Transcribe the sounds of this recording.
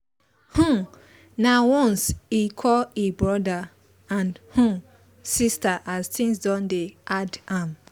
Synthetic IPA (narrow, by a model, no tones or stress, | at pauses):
hũ | nawɔ̃nsikʰɔlebɹɔda | ãnhũ | sistaʔaztʰĩŋsdɔ̃ndeʔadãm